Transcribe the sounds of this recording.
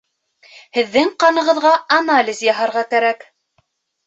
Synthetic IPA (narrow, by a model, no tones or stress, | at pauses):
hɘ̆ðːɘŋqɑnɤ̆ʁɤ̆ðʁɑɐnalʲɪzjɑɦɑɾʁɑkæɾæk